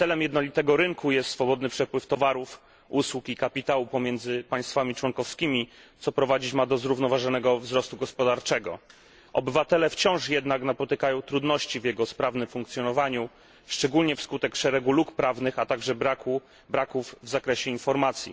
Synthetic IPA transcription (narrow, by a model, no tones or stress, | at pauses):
t̪sɛlɛmjɛd̪nɔlʲit̪ɛɡɔɾɘŋkʰujɛst̪sfɔbɔd̪nɘpʂɛpwɘft̪ɔvaɾuf | uswukikapʲit̪awupɔmʲjɛnd̪zɘpaj̃st̪famʲit͡ʂwɔŋkɔfskʲimʲit̪sɔpɾɔvad͡ʑit͡ɕmad̪ɔzɾuvnɔvaʐɔnɛɡɔvzɾɔst̪uɡɔspɔd̪aɾt͡ʂɛɡɔ̰ | ɔbɘvat̪ɛlɛft͡ɕɔ̃w̃ʂjɛd̪naknapɔt̪ɘkajɔ̃w̃t̪ɾud̪nɔɕt͡ɕivjɛɡɔspɾavnɘmfuŋkt̪sʲjɔnɔvaɲu | ʂt͡ʂɛɡulɲɛfskut̪ɛkʂɛɾɛɡulukpɾavnɘxat̪aɡʐɛbɾaku | bɾakuvːzakɾɛɕɛinfɔɾmat̪sʲjḭ